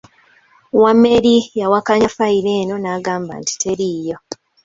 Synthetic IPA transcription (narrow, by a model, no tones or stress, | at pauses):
wamːe̞ɾijawakaɲafaiɾe̞ːno̞naːɡaːmba̰nti̥tʰe̞ɾiːjo̞